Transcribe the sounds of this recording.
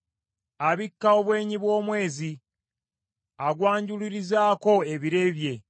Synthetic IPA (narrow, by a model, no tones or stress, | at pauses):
aβikːao̞βwe̞ːɲiβwo̞ːmwe̞ːzi | aɡwaːɲɟuliɾizaːko̞e̞βiɾe̞βje̞